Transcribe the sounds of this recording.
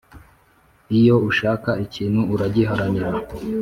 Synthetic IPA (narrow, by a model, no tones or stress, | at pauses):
ijo̞uʃaːkaiciːnhuːɾaɟiɦaɾaniɾa